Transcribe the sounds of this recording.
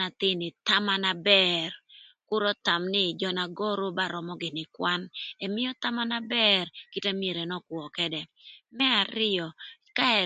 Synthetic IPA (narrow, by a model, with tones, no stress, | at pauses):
a˨t̪ɪ˦nɪ˨t̪a˦ma˦na˦bɛrkʊ˦ɾɔ˦t̪a˨mnɪ˦d͡ʒɔ˨na˨ɡɔ˦ɾo˦ba˦ɾɔ˨mɔ˦ɡɪ˨nɪ˨kwa˦nɛ˨mɪ˦jɔ˦t̪a˦ma˦na˦bɛ˦rki˦te˦mje˨ɾe˨nɔ˦kwɔ˨kɛ˦dɛ˨ | mɛ˦a˨ɾɪ˦ɔ˨ | ka˦ɛ˨